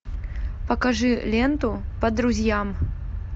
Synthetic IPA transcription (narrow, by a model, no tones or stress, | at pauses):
pɐkaʐɨlʲɛnt̪upɐd̪ɾuzʲjam